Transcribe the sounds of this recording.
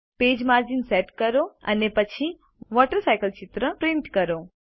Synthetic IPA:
peːd͡ʒmaɾd͡ʒinseʈkəɾoə̰nepət͡ʃʰi | ʋɔʈəɾsajkəlt͡ʃɪt̪ɾəpɾɪ̃ɳʈkəɾo

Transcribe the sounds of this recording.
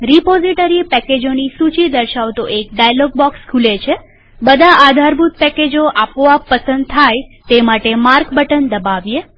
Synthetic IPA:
ɾipoziʈəɾipɛked͡ʒonisut͡ʃid̪əɾʃaʋt̪oʔek̚ɖajlɔɡ̚bɔkskʰulet͡ʃʰe | bəd̪ʱaʔad̪ʱaɾbʱut̪̚pɛked͡ʒoʔapʋapəsənd̪̚t̪ʰajt̪emaʈemaɾkbəʈənd̪əbaʋje

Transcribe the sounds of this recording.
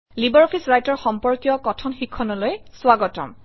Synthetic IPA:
libɔɹɔpʰisɹajtɔɹxɔmpɔɹkijɔkɔtʰɔnxikʰːɔnɔlojswaɡɔtɔ̰m

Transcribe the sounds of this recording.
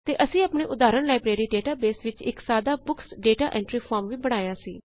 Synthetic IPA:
t̪eːʔəsĩːaːpɳeːʔʊd̪aːɾəɳlaːibɾeːɾiːɖeːʈaːbeːsʋɪt͡ʃɪ̰ksaːd̪aːbʊksɖeːʈaːʔɛ̃ːɳʈɾiːpʰɔːɾmʋiːbəɽ̃aːjãːsḭː

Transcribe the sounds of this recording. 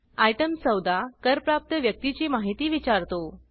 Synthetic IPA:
ajʈəmsəwd̪akəɾpɾap̚t̪əʋjək̚t̪it͡ɕiːmaɦit̪iːʋit͡ɕaɾt̪o

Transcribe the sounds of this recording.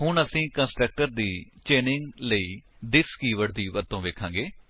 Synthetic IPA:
ɦʊɳəsĩːkə̃nsʈɾək̚ʈəɾd̪iːt͡ʃeːnɪŋɡləiː | d̪ɪskiːʋəɽd̪iːʋəɾt̪õːʋeːkʰãːɡeː

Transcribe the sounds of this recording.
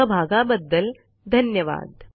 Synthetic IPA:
ɐbʱaːɡaːbɐd̪ːɐl | d̪ʱɐnjɐʋa̰ːd̪

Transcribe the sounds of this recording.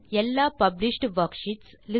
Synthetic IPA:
ɛlːaːpɐbliʂʈʋɐɾkʃiʈs | lɪ

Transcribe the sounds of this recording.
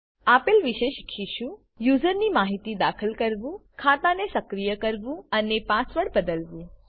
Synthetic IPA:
apelʋiʃeʃkʰiʃũ | juzəɾnimaɦit̪id̪akʰəlkəɾʋũkʰat̪anesəkɾijəkəɾʋũənepãsʋəɽbəd̪əlʋũ

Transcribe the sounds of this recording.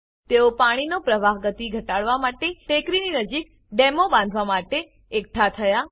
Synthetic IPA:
t̪eopaɽ̃inopɾəʋaɦɡət̪iɡʱəʈaɭʋamaʈeʈekɾininəd͡ʒik | ɖemobãnd̪ʱʋamaʈe | ek̚ʈʰat̪ʰəja

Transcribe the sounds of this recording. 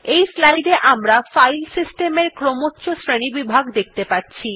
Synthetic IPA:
ejslajɖeʔamɾafajlsisʈemeɾkɾomotːɕʰosɾeñibibʱaɡd̪ek̚ʰt̪epatːɕʰi

